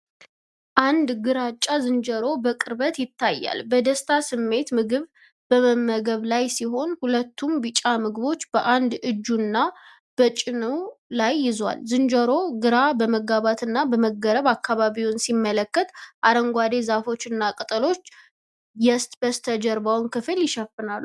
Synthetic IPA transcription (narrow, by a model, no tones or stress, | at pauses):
ʔand̪ɡɨɾat͡ʃʼːazɨnd͡ʒəɾo̞bəkʼɨɾbət̪jɪt̪ʰːajːa̰lbəd̪əst̪ʰasɨmːe̞t̪mɨɡɨβ | b̥əməmːəɡəβlajsiɦo̞nhulət̪ʰːumbɨt͡ʃʼːamɨɡɨβo̞t͡ʃːb̥əʔand̪ɨd͡ʒːunːa | b̥ət͡ʃʼɪnəwlajːɪzwa̰lzɨnd͡ʒəɾo̞ɡɨɾabəməɡaβat̪ɨnːabəməɡːəɾəβakːaβaβiwnsimːələkːət̪ʔaɾəŋɡʷad̪e̞zafo̞t͡ʃːɨnːakʼɨt̪ʼəlo̞t͡ʃː | jɛst̪ʼb̥əst̪ʰəd͡ʒəɾbawnkʰɨfɨljɪʃəfɨnalːu